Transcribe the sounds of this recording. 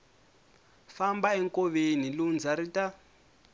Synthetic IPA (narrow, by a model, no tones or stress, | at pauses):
fambaɛŋkɔβenilund͡zaɾita